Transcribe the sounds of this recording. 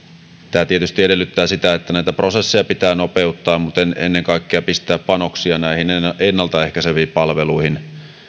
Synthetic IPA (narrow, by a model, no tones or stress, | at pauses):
t̪æːt̪iet̪yst̪ie̞de̞lːyt̪ːæːsit̪æet̪ːænæit̪æpro̞sesːejɑpit̪æːno̞peut̪ːɑːmmut̪enḛnːeŋkɑikːeɑpist̪ˑæːppɑno̞ksiɑnæihinenːɑlt̪ɑehkæseʋiːpɑlʋeluihin